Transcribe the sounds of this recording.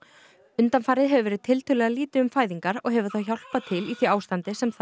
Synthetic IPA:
ʏnt̪anfaːɾɪðɦɛvʏvɛːɾɪðt̪ʰɪlt̪ʰʏːlɛːɣðaliːt̪ɪʏmfaːjðiŋkaɾɔɣɦɛvʏθawçawl̥pat̪ʰɪliθɥiaːwst̪ant̪ɪsɛmθ

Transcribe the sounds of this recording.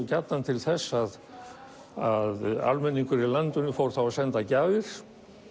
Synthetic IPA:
cat̪nant̪ʰɪlθɛsːað | aða̰lmɛnːiŋkʏɾilant̪ʏnʏfowɾ̥θawasɛnt̪acaːvɪɾ̥

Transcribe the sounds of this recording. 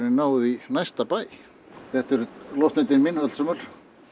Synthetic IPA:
ɾɪnnaːwðinajst̪apaːj | θɛht̪ɛɾʏlɔht̪najt̪ɪnminat̪lsœmʏɾ̥

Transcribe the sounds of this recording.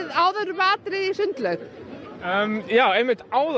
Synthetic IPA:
ðaːwðɛɾvaːt̪ɾɪðisʏnt̪lœkəmjaːwɛmːɪt̪aːwð

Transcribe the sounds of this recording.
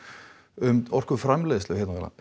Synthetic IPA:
ʏmɔr̥kʏfɾamlɛðslœːhɛt̪nava̰la̰

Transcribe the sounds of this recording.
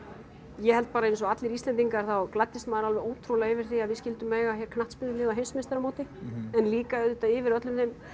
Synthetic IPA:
jɛhɛlt̪̚paːɾaejnsɔat̪lɪɾist̪lɛnt̪iŋkaɾ̥θawklat̪ːɪst̪maːðɾalvɛoːwt̪ʰɾulaɣɪvɪɾ̥θiaðvɪscɪlt̪ʏmːɛɣaçɛɾkʰnaht̪spɪðʏɪːɣðawɦejnsmɪnst̪aɾamoːwt̪ɪɛnliːkaʏðʏt̪aɪvɪɾœt̪lʏmθejm

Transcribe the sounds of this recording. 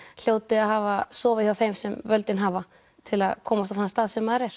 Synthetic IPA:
l̥joːwt̪ɪaðɦaːvasɔːvɪθjawθejmsɛmvœlt̪ɪnɦaːva | t̪ʰɪlaðkʰɔːmast̪aθanst̪aːðsɛmːaðɾɛɾ̥

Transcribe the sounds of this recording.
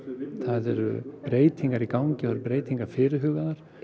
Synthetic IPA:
θaðɛɾ̰pɾeːjt̪ʰiŋkaɾikawɲcɪɔaɾɾpɾeːjt̪ʰiŋkaɾfɪːɾɪɦʏːɣaðaɾ̥

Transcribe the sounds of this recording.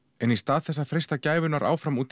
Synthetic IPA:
ɛnist̪aːðθɛsːafɾejst̪acaːjvʏnaɾʔaːwfɾamuːt̪

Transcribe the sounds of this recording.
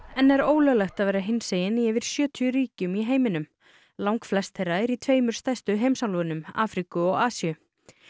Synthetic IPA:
ɛnɛɾoːwlœɣlɛxt̪aðveːɾaɦɪnseːjɪniɛvɪɾ̥sjœːt̪ʰjʏɾiːcʏmiɦeːjmɪnʏm | lawŋkflɛst̪θejɾaɛɾit̪ʰveːjmʏɾ̥st̪ajst̪ʏɦeːjmsawlvʏnʏma̰ːfɾikʏɔɣaːsiʏ

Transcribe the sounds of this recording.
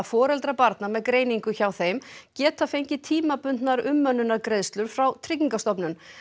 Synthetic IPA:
fɔːɾɛlt̪ɾapaɾt̪namɛðkɾeːjniŋkʏçawθejmcɛːt̪afejɲcɪt̪ʰiːmapʏnt̪naɾʏmːœnːʏnaɾkɾejðst̪lʏɾ̥fɾawt̪ʰɾɪciŋkast̪ɔpnʏn

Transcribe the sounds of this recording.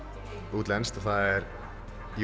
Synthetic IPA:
uːt̪lɛnst̪aθaðɛɾ | j

